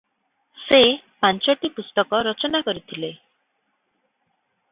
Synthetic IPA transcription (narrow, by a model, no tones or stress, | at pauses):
sepant͡ʃɔʈipust̪ɔkɔɾɔt͡ʃɔnakɔɾit̪ʰile